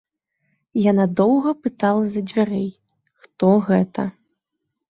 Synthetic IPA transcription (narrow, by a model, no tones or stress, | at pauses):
janad̪ɔwɣɐpɨt̪alˠɐzɐd͡zʲvʲaɾɛj | xt̪ɔɣɛt̪ɐ